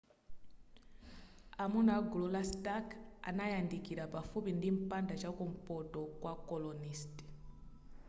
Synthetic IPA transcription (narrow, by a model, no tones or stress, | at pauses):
amunaɡululastaka̰najandikiɾapafupindim̩pandat͡ʃakum̩pɔtɔkwakɔlɔnisti̥